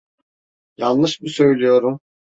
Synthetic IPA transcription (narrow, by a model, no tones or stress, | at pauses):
jalˠnɯʃbusø̞jlʲijo̞ɾum